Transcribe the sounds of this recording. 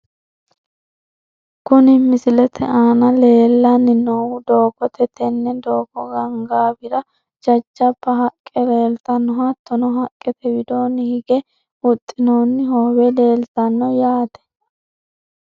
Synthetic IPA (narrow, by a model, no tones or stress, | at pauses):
kʊnɪmɪsɪlɛt̪ʰɛaːnɐle̞ːlːɐnːɪnowʊd̪o̞ːkːɔt̪ɛt̪ʰɛnːɛd̪oːkːɔɡɐŋɡaːbɪɾɐ | d͡ʒɐt͡ʃːɐbːɐɦɐkʼːɛle̞ːlt̪ɐnːɔhɐt̪ːɔnɔɦɐkʼːɛt̪ɛbɪd̪o̞ːnːɪhɪɡɛ | ʊt̪ʼːɪnoːnːɪhoːwɛle̞ːlt̪ɐnːɔjaːt̪ɛ̥